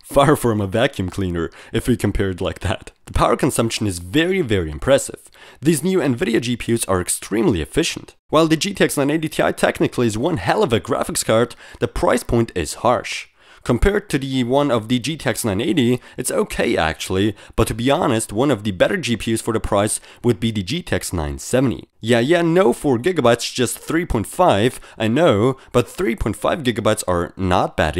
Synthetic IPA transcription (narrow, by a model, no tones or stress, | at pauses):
fɑɹfɹʌ̃məvækʰjʉ̃mkʰl̥ĩnə̰˞ɨfwikʰɨ̃m̩pʰɛɹdˡlaɪk̚ðæ̰t̪̚ðəpʰaʊə˞kɨ̃n̩sʌ̃mpʃɨ̃n̩ɨzvɛɹivɛɹiɨ̃mpʰɹ̥ɛsɨ̰v̥ðiznjʉɨ̃nvɪɾioʊd͡ʒipʰjʉzə̰˞ɨkstʰɹ̥ĩmliɨ̰fɪʃn̩t̚ | waɪlˠðɨd͡ʒitʰɛksnãɪneɪɾitʰia̰ɪtʰɛ̰knɨkʰlˠiɨzwʌ̃nhɛlˠʌvɨɡɹæ̰fɨkskʰɑɹt̪ðɨpʰɹ̥a̰ɪspʰɔ̃ɪ̃ntɪ̰z̥hɑ̰ɹʃ | kʰə̃mpʰɛɹd̚tʰɨðɨwʌ̃nʌvðɨd͡ʒitʰɛksnãɪ̃neɪɾiɨtsoʊkʰeɪʔæ̰k̚t͡ʃul̩ˠib̥ʌtʰɨbiɑnɨst̚wʌ̃nʌvðɨbɛɾə˞d͡ʒipʰjʉz̥fə˞ðɨpʰɹ̥aɪs | wɨd̚biðɨd͡ʒitʰɛksnã̰ɪ̃nsɛṽntḭjæjænoʊfɔɹɡɪɡɨbaɪtsd̥ʒ̥ʌst̪̚θɹipʰɔ̃ɪ̃ntfaɪvʔaɪnoʊb̥ʌt̪̚θɹipʰɔ̃ɪ̃ntfa̰ɪvɡɪɡɨbaɪtsə̰˞nə̰t̚b̥æ̰ɾ